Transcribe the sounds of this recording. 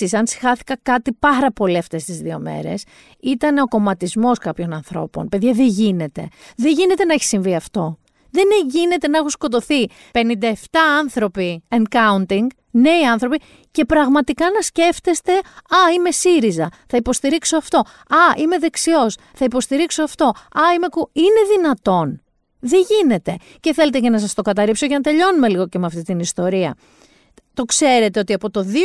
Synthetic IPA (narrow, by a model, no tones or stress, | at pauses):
isɐnsi̥xɐθi̥kɐkɐt̪ipɐɾɐpo̞liɐft̪e̞st̪izðio̞̰me̞̰ɾe̞̰s | it̪ɐne̞o̞ko̞mɐt̪izmo̞skɐpço̞nɐnθɾo̞̰po̞̰npe̞ðʝɐðe̞ʝine̞t̪e̞̰ðeʝine̞t̪e̞nɐeçi̥siɱviɐft̪o̞ | ðe̞neʝine̞t̪e̞nɐexusko̞t̪o̞θi | pe̞nind̪ɐe̞ft̪ɐɐnθɾo̞pieŋkɐunt̪iŋɡ | ne̞iɐnθɾo̞pi | ce̞pɾɐɣmɐt̪ikɐnɐsce̞ft̪est̪e̞ɐime̞siɾizɐθɐipo̞st̪iɾiksoɐft̪o̞ | ɐʔime̞ðe̞ksio̞s | θɐipo̞st̪iɾiksoɐft̪o̞ɐime̞kuine̞ðinɐt̪o̞n | ðeʝine̞t̪e̞ | ce̞θe̞le̞t̪ecenɐs̬ɐst̪o̞kɐt̪ɐɾipsoʝenɐt̪e̞ʎo̞nume̞liɣo̞cemeɐft̪it̪inist̪o̞ɾiɐ̰ | t̪o̞kse̞ɾe̞t̪e̞o̞t̪iɐpo̞t̪o̞ði